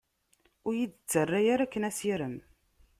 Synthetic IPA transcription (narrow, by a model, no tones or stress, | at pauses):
ʊɾjid̪ət͡sːərːajaɾækːənæsiɾəm